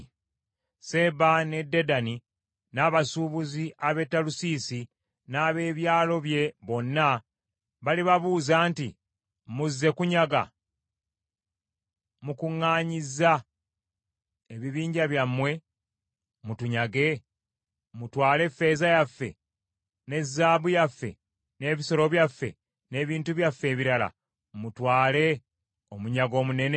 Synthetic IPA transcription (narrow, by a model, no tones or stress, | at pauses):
se̞bane̞dːe̞dani | naβasuβuziʔaβe̞tːalusiːsi | naːβe̞ːβjaːlo̞βje̞βo̞nːa | βaliβaβuːzaːnti | muzːe̞kuɲaɡa̰ | mukuŋːaːɲiza | eβiβiːɲɟaβjamːwe̞ | mutuɲaɡe̞ | mutwaːle̞fːe̞ːzajafːe̞̰ | ne̞zːaːβujafːe̞̰ | ne̞ːβiso̞ɾo̞βjafːe̞̰ | ne̞ːβiːntuβjafːe̞ːβiɾala̰ | mutwaːle̞ | o̞muɲaɡo̞ːmune̞ne